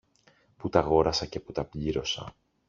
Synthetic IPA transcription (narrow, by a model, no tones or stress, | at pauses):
put̪ɐɣo̞ɾɐsɐce̞put̪ɐpʎiɾo̞sɐ̰